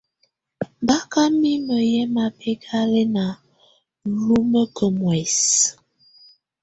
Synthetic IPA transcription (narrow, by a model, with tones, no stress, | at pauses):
ba˦ka˦mi˦mə˨jɛ˦ma˨pʰe˦kʰa˦le˦na˨ | lu˦mə˦kə˨mwɛ˨s